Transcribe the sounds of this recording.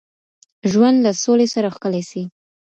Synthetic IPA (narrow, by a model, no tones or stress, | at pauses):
ʒwand̪lasolesaɾaxkəlajsi